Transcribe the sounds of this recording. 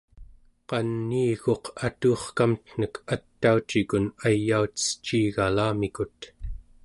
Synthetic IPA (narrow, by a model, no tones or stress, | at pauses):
qɑnːiːɣo̞qʰat̪uːχkamt̪n̥əkʰat̪ːaut͡ʃikunajːauə̥t͡ʃːiːɣalaːmikut̪